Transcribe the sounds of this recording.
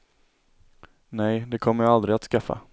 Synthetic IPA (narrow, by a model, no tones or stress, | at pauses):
nɛjd̪ɛkʰɔmːəjaald̪ɾɪat̪skafːa̰